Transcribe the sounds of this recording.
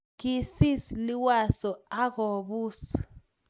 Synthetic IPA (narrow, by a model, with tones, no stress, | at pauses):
ki˦˨si˦sli˦wa˨sɔ˨a˦ɣɔ˨βuː˦sḁ